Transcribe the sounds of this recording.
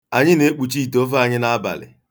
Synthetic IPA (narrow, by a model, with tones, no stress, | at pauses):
a˨ɲɪ˦ne˦k͡pu˨t͡ʃi˦˨to˦va˦˨ɲɪ˦na˦ba̰˨lɪ̰˨